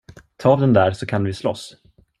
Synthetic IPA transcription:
t̪ʰɑːd̪ɛnd̪æːɾsɔkʰanvɪslɔ̰s

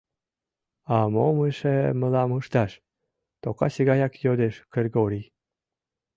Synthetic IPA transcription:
ɑmoməʃeməlɑmɯʃt̪ɑʃ | t̪okɑ̰ɕiɣɑjɑkjod̪eʃkerɡoɾi

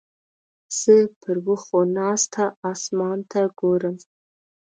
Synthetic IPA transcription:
sɨpʰɨrwʊχonaːstʰaaːsmaːntʰaɡʷoɾɨm

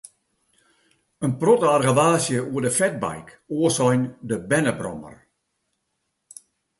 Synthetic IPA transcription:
ənprɔtarɣəʋaːsjəuədəfɛt̚bɛ̰jk | oəsɔjndəbɛnəbrɔ̰mə̰r

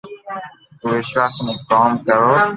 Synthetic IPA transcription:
ʊʋeːʃaːsmẽːkɔːmkəɾoː

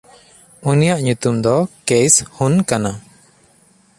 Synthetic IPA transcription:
unijaʔɲut̪umd̪ɔkeshunkana

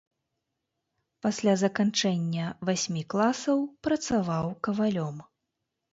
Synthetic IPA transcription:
pasʲlʲazɐkant͡ʂɛnʲːɐvasʲmʲiklˠasɐwpɾɐt̪savawkɐvalʲɔm

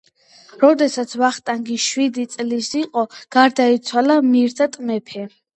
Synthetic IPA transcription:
ɾɔd̪ɛsat̪sʰvaχt̪ʼaŋɡiʃwid̪it̪sʼlisiqʼɔɡ̥aɾd̪ait̪sʰwalamiɾt̪ʰat̪ʼmɛpʰɛ

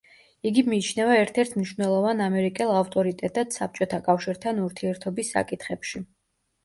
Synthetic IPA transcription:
iɡimiːt͡ʃʰnɛvaɛɾt̪ʰɛɾt̪ʰmniʃvnɛlˠɔvanamɛɾikʼɛlˠaft̪ʼɔɾit̪ʼɛt̪ʼad̪sap̚t͡ʃʼɔt̪ʰakʼafʃiɾt̪ʰanuɾt̪ʰiɛɾt̪ʰɔbisːa̰kʼit̪ʰχɛpʃi

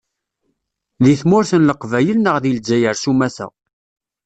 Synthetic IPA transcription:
ðiθmʊɾθənləqvæjəlnəʁðild͡ʒːæjəɾsumæθæ̰

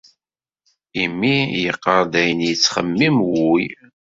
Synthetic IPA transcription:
imːijəqːəɾˤd̪æjənjət͡sːχə̰mːimwuj

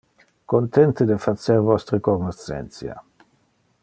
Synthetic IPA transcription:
kont̪ɛnt̪ed̪efaseɾvɔst̪ɾəkonosɛ̰nt̪sja̰

